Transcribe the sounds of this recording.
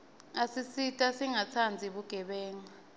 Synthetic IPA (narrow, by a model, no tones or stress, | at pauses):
asisitʼasiŋat͡sʰand͡zʱiɓuɡ̥ʱɛɓɛːŋa